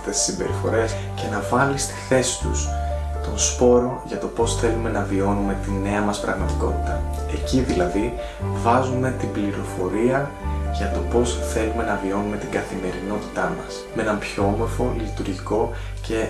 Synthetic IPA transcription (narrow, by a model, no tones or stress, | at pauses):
t̪e̞si̥simbe̞̰ɾifo̞̰ɾe̞s | ce̞nɐvɐlist̪i̥θe̞si̥t̪ṵst̪o̞nspo̞ɾo̞nʝɐt̪o̞po̞sθe̞lume̞nɐvio̞nume̞t̪ine̞ɐmɐspɾɐɣmɐt̪iko̞t̪i̥t̪ɐe̞ciðilɐði | vɐzume̞t̪ibliɾo̞fo̞ɾiɐʝɐt̪o̞po̞sθe̞lume̞nɐvio̞nume̞t̪iŋɡɐθime̞ɾino̞t̪i̥t̪ɐmɐsmeenɐmpço̞omo̞ɾfo̞lit̪uɾʝiko̞ | ce̞